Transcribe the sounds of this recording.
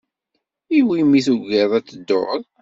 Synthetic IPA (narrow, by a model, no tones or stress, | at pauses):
iwimiθuɡɛðˤæt͡sːəd̪ːo̰ʁðˤ